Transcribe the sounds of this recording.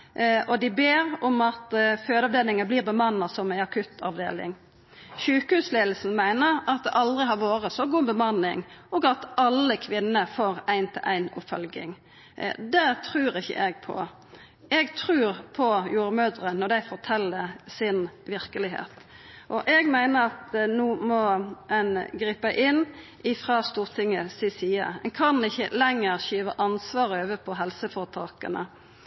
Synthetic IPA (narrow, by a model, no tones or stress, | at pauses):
ʔɔd̪ɪbeːɾɔmɑt̪føːd̪ɑʋd̪eːlɪŋənbliːʁbəmɑnːɑsɔmæɪɑkʰʉt̪ʰɑʋd̪ḛːlɪ̰ŋ | ʃʉːkəhʉːsleːd̪l̩sn̩mæɪnəɾɑt̪̚d̪ɛ̰ʔɑld̪ʁɪɦɑɾʋoːɾəsɔɡuːbəmɑnːɪ̰ŋʔɔɡɑt̪ɑlːəkʰʋɪnːəfoːɾæɪnt̪ʰɪ̰lʔæ̰ɪnʊ̰fœlɡɪ̰ŋ | d̪ɛt̪ʰɾʉːʁɪçːə̰ʔɛɡpʰɔ̰ | ɛɡt̪ʰɾʉːɾpʰɔjuːɾəmøːd̪ɾənɔd̪æɪfɔʁt̪ʰɛlːəsɪnʋɪʁkəlɪɦḛːt̪ | ʔɔʔɛɡmæɪnəɾɑt̪nuːmɔɛnɡɾiːpəʔɪnʔɪfʁɑːst̪uːʁt̪ʰɪŋːəsɪsiːə̰ɛŋkʰɑnɪçːəlɛŋːəʁɕyːʋəʔɑnsʋɑːʁəøːʋəpʰɔɦɛlsəfɔʁt̪ʰɑːkə̰nə̰